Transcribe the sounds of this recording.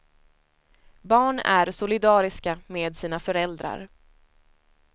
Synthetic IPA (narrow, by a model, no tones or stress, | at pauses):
bɑːɳæ̰ɾsʊlɪd̪ɑːɾɪskameːd̪siːnafœɾɛld̪ɾa̰ɾ